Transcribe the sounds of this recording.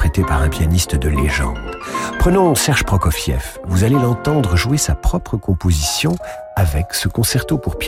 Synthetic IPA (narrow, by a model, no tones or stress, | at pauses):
χet̪epaʁɛ̃pjanist̪d̪əleʒɑ̰̃d̪pχənɔ̃sɛʁʒpχɔkɔfjɛ̰fvuzalelɑ̃t̪ɑ̃d̪ʁəʒuwesapχɔpχəkɔ̃pozisjɔ̃ | avɛksəkɔ̃sɛʁt̪opuʁp